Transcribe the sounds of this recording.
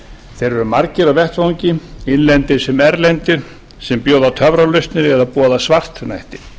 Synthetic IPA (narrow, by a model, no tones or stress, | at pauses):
θejɾɛɾʏmaɾcɪɾavɛht̪vawɲcɪɪnlɛnt̪ɪsɛmɛɾlɛnt̪ɪ | sɛmpjoːwðat̪ʰœvɾalʏst̪nɪɾɛðapɔːðasvar̥t̪najht̪ɪ̥